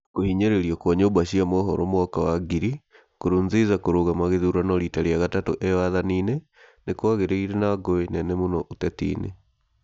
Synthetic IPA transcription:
kohiɲeɾeɾiɔkwɔɲɛobaɕiamɔɦɔɾɔmoɔkawaɡiɾi | koɾonzezakoɾoɣamaɣeðuɾanɔɾitaɾiaɣatato̰ʔɛwaðaniːne | nekwaɣeɾeiɾenaɡoenɛnɛmonɔʔotɛtḭːnḛ

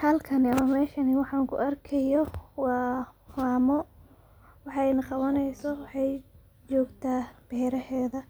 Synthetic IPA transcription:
hɐlkʰɐnɪɐmɐmɛːʃɐnɪwɑħɑːŋkʰʊ̰ʔɐrkʰɐjɔwɑːfaːmɔ | wɑħjnɐqɑβɐnɛjsɔwɑħɑj | t͡ʃɔːɡt̪ʰaːb̥ɛhɾɐhɛːðɐ

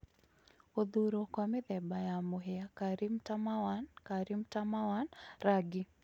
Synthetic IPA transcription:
oðuɾɔkwamɪðɛbajamuɦɛakaɾimtamawankaɾimtamawanɾaɡi

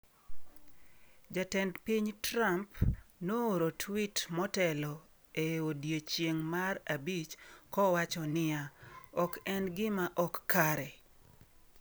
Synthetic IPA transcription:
d͡ʒatɛndpiɲtɾampnooɾotʰwitmɔtɛlɔ | eodjet͡ʃjeŋmarabit͡ʃkɔwat͡ʃɔnɪjaɔkɛnɡɪmaʔɔkːaɾɛ

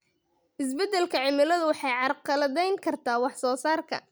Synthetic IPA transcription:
ʔɪsbɛd̪ɛlkʰɐʕɪmɪlɐðʊwɑħɑjʕɑrqɑlɐðɛjŋkʰɐrt̪ʰaːwɑħsɔːsaːrkʰɐ̰

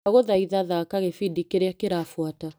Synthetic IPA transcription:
aɣoðaiðaðakaɣefidikeɾeakeɾafwata

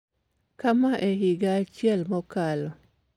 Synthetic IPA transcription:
kamaʔeɦɪɡaːt͡ʃjɛlmɔkalɔ

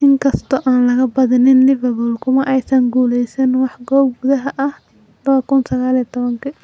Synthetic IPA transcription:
ʔɪŋkʰɐst̪ʰɔʔaːnlɐɣɐbɐðɪnɪnlɪvɐbʊlkʰʊmɐʔɛjsɐŋɡuːlɛjsɛnwɑħɡɔːb̚ɡʊðɐɦɐʔɐh | lɐβɐkʊnsɐɣaːliːɐt̪ʰɔβɐŋkʰɐ

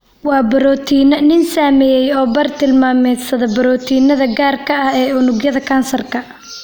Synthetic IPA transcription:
wɑːbɐɾɔːt̪ʰiːnɐnɪnsaːmɛjɛjɔːbɐrt̪ʰɪlmaːmɛsɐðɐbɐɾɔːt̪ʰiːnɐðɐɡaːrkʰɐɐhɛːʊnʊɡjɐðɐkʰaːnsɐrkʰɐ

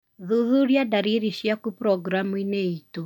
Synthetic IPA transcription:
ðuðuɾjadaɾiɾiʃiakupɾɔɡɾamineito

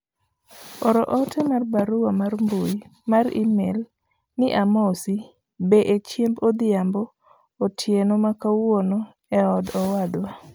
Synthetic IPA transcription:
ɔɾɔʔɔtʰɛmarbaɾuwamaɾmbujimaɾḭmel | nɪʔamɔsi | beʔet͡ʃjembod̪ɪjambɔː | tʰjenomakawono | ɛɔdɔwad̪wa

